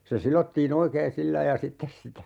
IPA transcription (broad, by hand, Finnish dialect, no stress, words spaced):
se silotːiːn oikeːn silːɑi jɑ sitːes sitæ